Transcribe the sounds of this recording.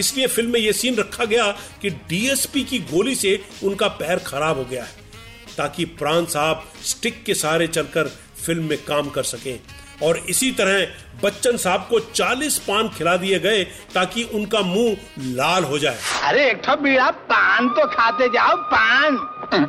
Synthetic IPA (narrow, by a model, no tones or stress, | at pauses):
ɪsliefɪlmːẽjesiːnɾɐkʰːaɡɐjakiɖiːɛːspikiɡoːliseʊnkapɛːɦɾxɐɾaːbɦoɡɐjaɦɛː | t̪aːkipɾãːnsaːb̚ | sʈɪkːesaːɾet͡ʃɐlkəɾ | fɪlmːẽkaːmkɐɾsɐkẽː | ɔːɾɪsit̪ɐɾəɦ | bɐtːʃənsaːb̚kot͡ʃaːliːspãːnkʰɪlad̪ieɡɐe | t̪aːkiʔʊnkamũː | laːlɦod͡ʒaːḛːɐɾeeːk̚ʈ̪ʰobiːɽapaːnt̪okʰaːt̪ed͡ʒaːopaːn